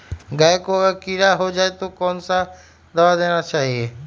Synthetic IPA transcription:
ɡaːekoekiɾaɦod͡ʒaːet̪okɔːnsa | d̪ɐʋad̪eːñat͡ʃaːɦieː

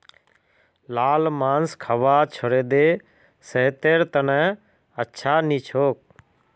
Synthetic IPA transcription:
laːlmaːnskʰəʋaːt͡ʃʰəɽeːd̪eː | seːt̪eːɾt̪ənɛ̃ː | ətːʃʰaːniːt͡ʃʰoːk̚

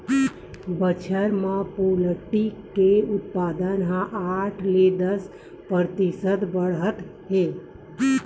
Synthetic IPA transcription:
bət͡ʃʰəɾməpoləʈikeut̪̚pad̪ənɦãʔaʈʰled̪əs | pəɾt̪isəd̪bəɽət̪ɦe

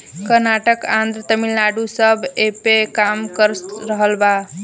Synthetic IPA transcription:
kəɾnaʈəkãnd̪ɾət̪əmilnaɖusəbʱepekamkəɾɾəɦəlba

